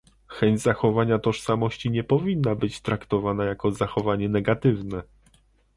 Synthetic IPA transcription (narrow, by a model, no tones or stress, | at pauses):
xɛɲd͡ʑzaxɔvaɲat̪ɔʂsamɔɕt͡ɕiɲɛpɔvʲinːabɘt͡ɕt̪ɾakt̪ɔvanajakɔzaxɔvaɲɛnɛɡat̪ɘvnɛ